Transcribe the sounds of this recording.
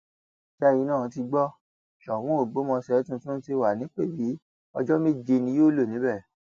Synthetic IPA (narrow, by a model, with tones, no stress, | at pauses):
ʃɛ˦ji˧˦nãː˦˨˧ti˧ɡ͡bɔ˦ | ʃɔ˨wũ˦o˦˨ɡ͡bo˨˦mɔ̃˧sɛ˨˦tũ˧tũ˦ti˧wa˨nĩ˨˦k͡pe˦˨bi˨˦ | ɔ˧d͡ʒɔ˦mẽ˦d͡ʒe˧nĩ˧˦joː˦˨lo˦˨nĩ˨˦bɛ˦˨